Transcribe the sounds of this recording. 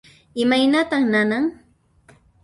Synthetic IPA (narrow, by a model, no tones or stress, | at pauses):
ɪmajnat̪aχnanaŋ